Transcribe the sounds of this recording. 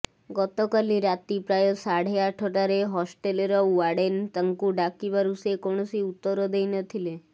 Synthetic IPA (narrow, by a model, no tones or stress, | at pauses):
ɡɔt̪ɔkaliɾat̪ipɾajɔsaɽ̤eaʈʰɔʈaɾeɦɔsʈeleɾɔaɽent̪əŋkuɖakiβaɾusekoɳ̃ɔsiut̪ːɔɾɔd̪ejnɔt̪ʰile